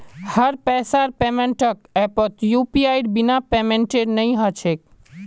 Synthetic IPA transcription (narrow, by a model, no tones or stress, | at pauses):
həɾpɛsaɾpemeɳʈəkɛpət̪jupiajɖbinapemeɳʈeɾnəjɦət͡ʃʰek̚